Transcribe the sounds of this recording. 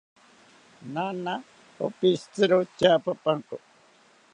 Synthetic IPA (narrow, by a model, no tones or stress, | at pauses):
nana | o̰pist͡sɨɾot͡ʃapapaŋko